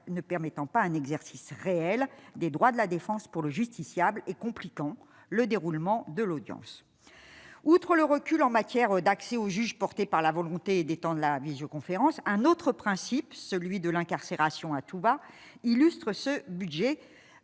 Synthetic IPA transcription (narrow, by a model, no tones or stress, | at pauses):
nəpɛʁmɛt̪ɑ̃paɛ̃nɛɡzɛʁsisʁeɛld̪ed̪ʁwad̪əlad̪efɑ̃spuʁləʒyst̪isjablekɔ̃plikɑ̃ | ləd̪eʁulmɑ̃d̪əlod̪jɑ̰̃s | ut̪χələʁəkʲylɑ̃mat̪jɛʁd̪aksɛoʒyʒpɔʁt̪epaʁlavɔlɔ̃t̪ed̪et̪ɑ̃d̪ʁlavizjokɔ̃feʁɑ̃sɛ̃not̪χəpχɛ̃sipsəlɥid̪əlɛ̃kaʁseʁasjɔ̃at̪uba | ilyst̪χəsəbyd̪ʒɛ